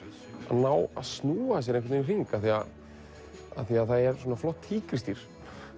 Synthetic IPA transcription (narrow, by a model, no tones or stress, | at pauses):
a̰ðnaːwa̰ðsnuːas̬jɛɾeŋkvɪt̪nɪr̥iŋkaθia | a̰θiaðθaðɛɾ̥swɔːnaflɔht̪hiːkɾɪst̪iɾ̥